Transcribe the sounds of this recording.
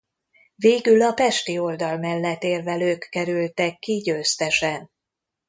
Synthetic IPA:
veːɡylɒpɛʃt̪io̞ld̪ɒlmɛlːɛt̪eːrvɛløːkːɛɾylt̪ɛkːiɟøːst̪ɛʃɛn

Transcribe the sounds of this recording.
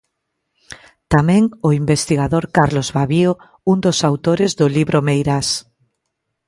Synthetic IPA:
t̪amẽŋoimbest̪iɣaðoɾkaɾlozβaβio | und̪osawt̪oɾezðʊliβɾʔomejɾas

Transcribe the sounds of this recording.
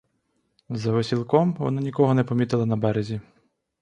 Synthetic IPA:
zɐʋesʲilˠkɔmʋɔ̰nanʲikɔɦɔnɛpɔmʲit̪ɪlˠɐnɐbɛɾezʲi

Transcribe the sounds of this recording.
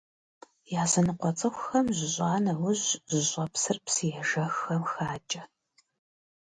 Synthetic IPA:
jaːzɐnɨqʷɔt͡sʼɨxʷʊxɐmʑɪʑʷʼɑːnɐwʊʑʑɪɕʷʼɐpsɨrpsijɛʒɐxɐmxaːt͡ʃʼɐ

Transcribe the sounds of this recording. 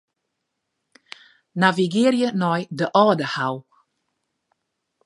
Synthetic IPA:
naviɡɪːrjənɔjdəʔɔːdəhaw

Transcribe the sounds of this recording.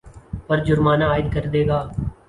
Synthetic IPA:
pəɾd͡ʒʊɾmaːnaːɪd̪̚kəɾd̪eːɡaː

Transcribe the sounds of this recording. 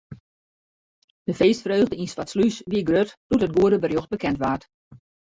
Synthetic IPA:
d̥əfeːstfrøːɣdəinsfatslysʋiəɡrøtd̥utət̚ɡuədəbərjoxt̚bəkʰɛntʋaːt

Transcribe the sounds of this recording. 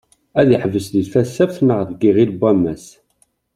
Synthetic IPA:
æðiħvəsðiθfæsːæfθnəʁðɡiʁilbæmːæs

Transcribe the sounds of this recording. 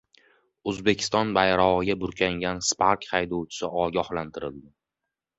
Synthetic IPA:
ɵzbe̞kʲʰɪ̥st̪ɒnbajɾɒʁɨɡʲabʊɾkʲʰaŋɡʲanspʰaɾkʲχajd̪owt͡ʃʰɪ̥sɪʔɒɡʲɒhlant̪ʰɪɾɪlˠd̪ɪ

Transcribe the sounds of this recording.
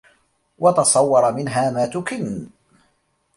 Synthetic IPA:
wɑt̪ɑsˤɑwːɑɾˤɑmɪnɦaːmaːt̪ʊkɪn

